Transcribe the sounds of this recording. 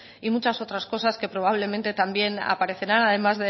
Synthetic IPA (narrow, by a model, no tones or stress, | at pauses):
imut͡ʃaso̞t̪ɾasko̞saske̞pɾo̞β̞aβ̞le̞mẽ̞nt̪e̞t̪ambje̞na̰paɾe̞θe̞ɾanaðe̞mazðe